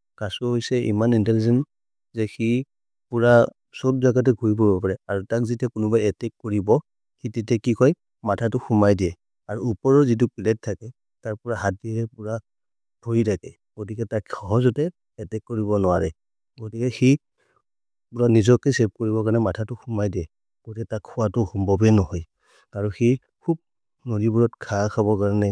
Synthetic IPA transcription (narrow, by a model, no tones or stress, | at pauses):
kasɔɦojsɛʔḭmanintɛlizɛn | zɛxi | puɹa | sot̚zaɡat̬ɛɡʱuɹip̬ɔɹbɔpaɹɛaɹutakzitɛkʊnʊbajɛtɛkːoɹibɔ | xititɛkikɔj | matʰatʊxumajdijɛ | aɹuupɔɹɔzit̬ʊpilɛtʰːakɛ | taɹpɔɹaɦatiɹɛpuɹa | bʱojtʰakɛ | ɡ̥otikɛtakxɔɦɔzɔtɛː | tɛkːoɹibɔnʊwaɹɛ | ɡotikɛxi | puɹanizɔkɛsɛp̚koɹiβɔkaɹnɛmatʰatʊxumajdiɛ | ɡ̥otikɛtakʰːʊwatʊxumbɔbɛnɔɦɔj | kaɹɔ̃xi | kʰub̚ | nodibuɹɔtkʰakʰaβɔkaɹnɛ